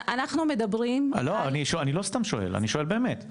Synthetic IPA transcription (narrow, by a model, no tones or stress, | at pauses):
anaχnumed̪ɐbɾimloaniʃoanilo̞st̪amʃoḛla̰niʃoe̞lbe̞ːme̞t̪